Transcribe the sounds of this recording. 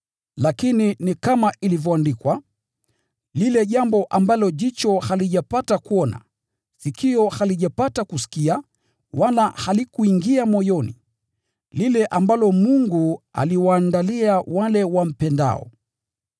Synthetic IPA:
lakininikamailivjɔandikwa | lilɛʄambɔʔambalɔʄit͡ʃɔhaliʄapatakuɔna̰ | sikʰiɔhaliʄapatakusi̥kia | walahalikuiŋɡiamɔjɔnḭ | lilɛʔambalɔmuŋɡua̰liwaːndaliawalɛwam̩pɛnda̰ɔ̰

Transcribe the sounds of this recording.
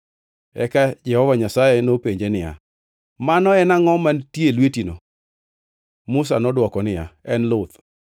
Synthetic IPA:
ɛ̰kad͡ʒɛhɔvaɲasajenopeɲd͡ʒenɪja̰ | manɔɛnaŋɔmantjelwetino | mʊs̬anɔdwɔkɔnɪja̰ɛnlʊt̪

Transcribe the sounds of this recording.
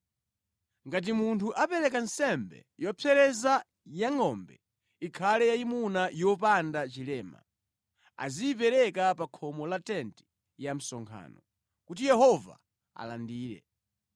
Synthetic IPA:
ŋɡat̬imuntʰuʔapɛɾɛkansɛmbɛ̰jɔpʰɛɾɛza | jaŋɔmbɛ | ikʰalɛjaimunajɔp̬andat͡ʃilɛːma̰ | a̰ziːp̬ɛɾɛkapakʰɔmɔlatɛnti̥ | jam̩sɔŋkʰa̰ːnɔ | kutijɛɦɔva̰ | a̰landiːɾɛ̰

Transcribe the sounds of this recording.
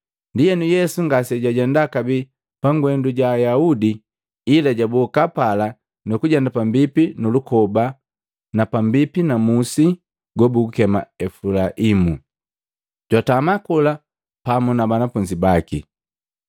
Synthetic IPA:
ndijɛnujɛsuŋɡasɛɟaɟɛndakabi | paŋɡwɛnduɟaːjaudiː | laɟabukapala | nukuɟɛndapambipinulukɔba | napambipinamusi | ɡwɔbuukɛma̰ɛfulaʔimu | ɟwatamakula | pamunabanafuɲd͡ʒibakḭ

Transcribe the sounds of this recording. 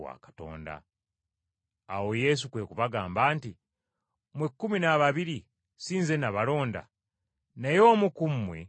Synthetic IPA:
wa̰kḁto̞̰ːnda̰ | awo̞je̞s̬ukwe̞kuβaɡaːmbaːnti | mwekːuminaβaβiɾi | siːnze̞naβalo̞ːnda̰ | najo̞ːmukumːwḛ

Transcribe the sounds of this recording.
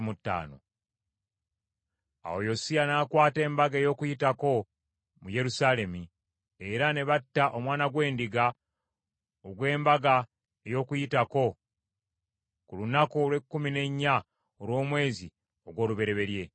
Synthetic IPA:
mutːa̰ːno̞̰ | a̰ojo̞sianaːkwaːte̞ːmbaɡae̞jo̞ːkujitako̞ | muje̞ɾusaːle̞mi | eɾane̞βatːaʔomwaːnaɡwe̞ːndiɡa | oɡwe̞ːmbaɡa | e̞jo̞kujitako̞ | kulunakolwe̞kːumine̞ɲːa | olwo̞ːmwe̞ːzi | o̞ɡwo̞ːluβe̞ɾe̞βe̞ɾje̞

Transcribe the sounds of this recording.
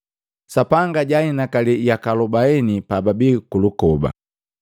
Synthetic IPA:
sapaŋɡaɟainakalijakalɔbaɛnipababikulukɔba̰

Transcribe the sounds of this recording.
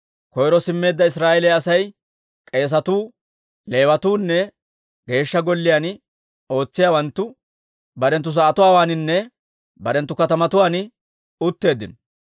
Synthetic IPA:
kɔjɾɔsɪmːe̞ːd̪ːɐɪs̬ɾaːʔɛlɛjɐsɐj | kʼe̞ːs̬ɐt̪uː | le̞ːwɐt̪uːnːɛ | ɡe̞ːʃːɐɡɔlːɪjaːn | o̞ːt͡sːɪjaːwɐnt̪ːʊ | bɐɾɛnt̪ːʊs̬aːt̪ʊwaːwaːnɪnːɛ | bɐɾɛnt̪ːʊkɐt̪ɐmɐt̪ʊwaːn | ʊt̪ːe̞ːd̪ːɪnɔ

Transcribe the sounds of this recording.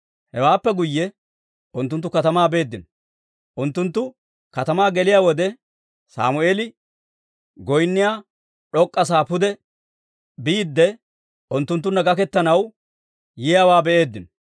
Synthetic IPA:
hɛwaːpːɛɡʊjːɛ | ʊnt̪ːʊnt̪ːʊkɐt̪ɐmaːbe̞ːd̪ːɪnɔ | ʔʊnt̪ːʊnt̪ːʊ | kɐt̪ɐmaːɡɛlɪjaːwɔd̪ɛ | sa̰ːmʊeːlɪ | ɡɔjnːɪjaː | ᶑɔkʼːɐs̬aːpʊd̪ɛ | biːd̪ːɛ | ʔʊnt̪ːʊnt̪̬ːʊnːɐɡɐkɛt̪ːɐnɐw | jɪjaːwaːbɛʔeːd̪ːɪnɔ

